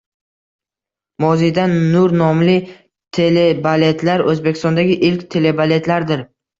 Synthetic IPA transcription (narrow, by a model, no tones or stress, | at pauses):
mɒzijd̪anːʊɾnɒmlɪ | t̪ʰe̞lebale̞t̪ʰlaɾɵzbekʲʰɪst̪ɒnd̪aɡʲɪʔɪlkʲt̪ʰe̞le̞bale̞t̪laɾd̪ɪɾ